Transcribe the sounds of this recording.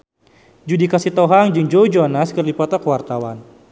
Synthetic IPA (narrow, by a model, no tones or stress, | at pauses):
d͡ʒudikasit̪ɔɦaŋd͡ʒɨŋd͡ʒoud͡ʒoanaskɨrdipɔt̪ɔkəwart̪awan